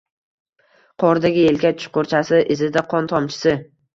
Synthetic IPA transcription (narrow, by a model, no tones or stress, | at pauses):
qʰɒɾd̪aɡʲɪelkʲat͡ʃʰʊ̥ʃqoɾt͡ʃʰasɪʔɪzɪd̪aqʰɒnt̪ʰɒmt͡ʃʰɪ̥sɪ